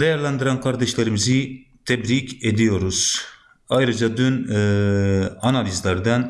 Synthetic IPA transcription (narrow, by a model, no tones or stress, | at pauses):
d̪ejaɾlʲˠand̪ɯɾankʰaɾd̪ɛʃlʲeɾimizi | t̪ʰɛbɾiced̪ijo̞ɾuz̥ | ajɾɯd͡ʒad̪ynː | analʲizlʲæɾd̪æn